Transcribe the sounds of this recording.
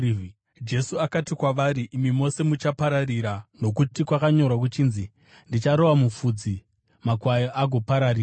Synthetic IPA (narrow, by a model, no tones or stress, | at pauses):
d͡ʒe̞suakatikwaʋaɾiʔimimo̞se̞mut͡ʃapaɾariɾano̞kutikwakaɲo̞ɾwak̬ut͡ʃiːnzi | ndit͡ʃaɾo̞ʋamufud͡zi | makwajoʔaɡʱo̞paɾariːa